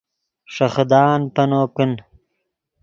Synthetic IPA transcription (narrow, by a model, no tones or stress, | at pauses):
ʂɐxd̪aːnpɐnoːkun